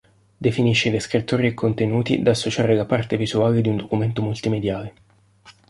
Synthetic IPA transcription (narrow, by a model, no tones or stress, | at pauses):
d̪efiniʃːed̪eskɾit̪ːoːɾiekʰːont̪enuːt̪ḭd̪aːsːot͡ʃaːɾelapart̪evizuaːled̪iund̪okument̪omult̪imed̪jaːle